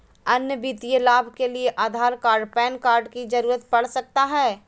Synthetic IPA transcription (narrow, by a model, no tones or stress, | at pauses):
ɐnjəbit̪ijəlaːbʱkelieʔaːd̪ʱaːɾkaːɾɖpɛːnkaːɾɖkid͡ʒɐɾuːɾət̪̚pɐɽ̤sək̚t̪aɦɛː